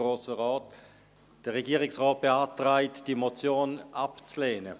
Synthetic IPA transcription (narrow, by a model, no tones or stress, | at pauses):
ʁoːsəʁɔːt | d̥əʁeɡiːʁɪksʁɔːt̚b̥eaːtʁaɪtd̥imot͡sjoːnʔapt͡sleːnə